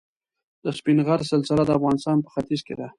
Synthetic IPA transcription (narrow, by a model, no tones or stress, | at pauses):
d̪əspinɣaɾsəlsɪlad̪əafɣɑnɪst̪ɑnpə̥xat̪izked̪a